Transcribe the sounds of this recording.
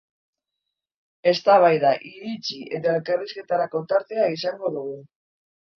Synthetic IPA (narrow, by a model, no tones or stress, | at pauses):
e̞st̪aβ̞ajðaʔiɾit͡ʃiḛt̪aelkariske̞t̪aɾako̞nt̪aɾt̪eaisaŋɡo̞ðuɣu